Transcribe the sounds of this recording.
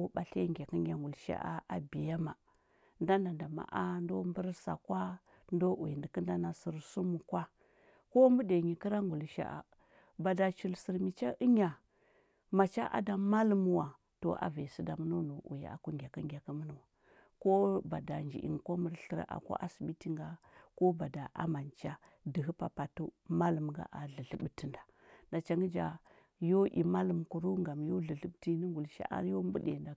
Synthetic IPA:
ba˨ɬa˦ŋɡʲa˨ki˦ŋɡʲa˨ŋɡu˨lʃa̰˦ʔa̰˦ʔa˨bi˨ja˦ma˨ | nda˦nda˨nda˨ma̰˨ʔa˦n˦do˦mbə˦ɾsa̰˨kwa˦ | ndo˦u˨ji˨ndi˨kə˦n˦da˦na˨si˨ɾsu˦mu˨kwa˦ | ko˦mbu˦de˨ɲi˨ki˦ɾa˦ŋɡu˨lʃa̰˦ʔa̰˨ | ba˨da˨t͡ʃi˨lsi˨ɾmi˨t͡ʃa˦ʔə˦ɲa˨ | ma˨t͡ʃa̰˦ʔa̰˨˦da˨ma˦lmu˨wa˨ | to̰˨ʔa̰˦ve˨si˦da˨mə˦nu˦nu˨ʔṵ˨ja̰˨a̰˨ku˦ŋɡʲa˨ka˦ŋɡʲa˨ka˦mə˦nu˦wa˨ | ko˦ba˨da˨nd͡ʒḭ˨ʔḭ˨ŋko˦mə˨ɾɬə˦ɾ̰ʔa̰˨ko̰˦ʔa˦si˨ɓi˦ti˦ŋɡa˦ | ko˦ba˨da˨ʔa̰˦ma˨nt͡ʃa˦ | di˨ɦə˦pa˨pa˨tu˦ma˦lə˨mɡa̰˦ʔa˨ɮə˨ɮə˨ɓti˦nda˨ | nda˨t͡ʃa˨ŋɡə˦d͡ʒa˨ | jo˦ʔḭ˨ma˦lə˨mku˨ɾu˦ŋɡa˨mjo˦ɮə˨ɮə˦ɓti˦nə˦ɡu˨lʃa̰˦ʔa̰˦ɾjo˦m˦bu˦dḛ˨nda˨

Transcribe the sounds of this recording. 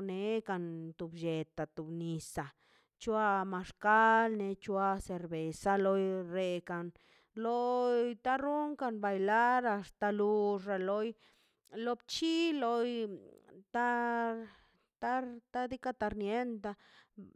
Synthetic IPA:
ne˧ka˧˨nt̪u˨bd͡ʒe˨t̪a˨t̪u˨bni˨sa˨ | t͡ʃu˦a˧ma˧ʂka˦lne˧˦t͡ʃwa˧se˨ɾbe˨sa˧lo˧jɾe˧˨ka˨n | lo˧jt̪a˦ɾu˦ŋka˧nba˧jla˦ɾa˧st̪a˧lu˧ʂa˨lo˧j | lo˧b̚t͡ʃi˦lo˧j | t̪a˦ | t̪a˦t̪a˦d̪i˦ka˦t̪a˧ɾnje˦nt̪a˧

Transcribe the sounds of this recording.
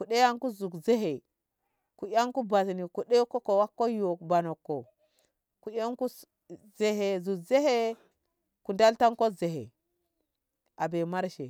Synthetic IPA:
ku˨ɗe˦ja˦ŋku˦zu˨kze˦ɦe˨ | ku˨ja˦ŋku˦ba˨tni˨ku˨ɗe˦ko˦ko˨wa˦kːo˦jo˨kba˨no˨kːo˨ | ku˨ja˦ŋku˦ | ze˨ɦe˨zu˨kze˦he˦ | ku˨da˦lta˦ŋko˦ze˨ɦḛ˨ | a˨be˨ma˦ɾʃḛ˨

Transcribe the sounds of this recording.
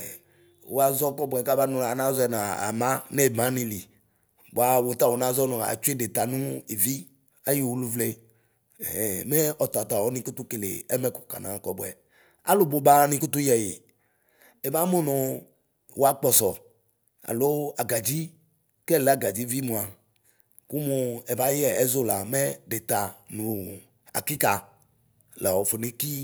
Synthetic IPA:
wo˨˦a˦zɔ˦kɔ˦bwɛ˨ka˦ba˦nũ˦˨a˨nã˦zɔ˦ɛ˨nã˨a̰˨mã˦ne˦˨mã˦nĩ˦li˨ | bo˨a˨wo˨t̪a˦wo˨nã˦zɔ˦nɔ̃˨a̰˨t͡ʃu˦e˦de˨t̪a˨nũ˦e˨vi˦ | a˦ji˦˨wu˦lu˦vle˦˨ | me˦ɔ˨t̪a˨t̪a˨wɔ˨˦nĩ˦ku˦t̪u˦ke˨lḛ˨ɛ˦mɛ˦ku̥˨ka̰˨nã̰˨kɔ˦bɛ̰˨ | a̰˦lo˨bo˨ba˦nĩ˦ku˦t̪u˦jɛ˨jḭ˨ | ɛ˨ba˦mu˦nũ˨ | wa˦k͡pɔ˨sɔ˨ | a̰˨lo˦a˨ɡa˨d͡ʒi˦ | kɛ˦˨le˨˦a˦˨ɡa˨d͡ʒi˦vi˦mũ˨a˨ | ku˦mũ˦ɛ˨ba˨˦jɛ˨ɛ˦zo˦la˨mɛ˦de˨t̪a˨nũ˨ | a̰˨ki˦ka˨ | lɛ˨ɔ˨fo˨ne˦ki˦

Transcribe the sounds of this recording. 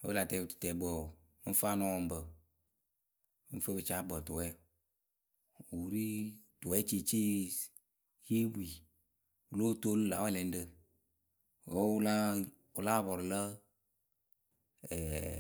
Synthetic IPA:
o̰˦ə˦la˨tɛ˨˦˨ttɛ˨bɔ˨˦ | fa˦nɔ˦wɔ˨m̩˦bə˨˦ | n̩˦fə˦bɨ˨t͡ʃa˦bə˨tu˨wɛ˦ | u˨ɾi˦tu˨ɛ˦t͡ʃi˨t͡ʃi˦ | ji˦bu˦i˨ | u˨lo˦to˦lla˨wɛ˦lɛ˨˦n̩˦də˦ | o˦la˦ | u˨la˦˨bɔ˨ɾlə˦ | ɛ˨

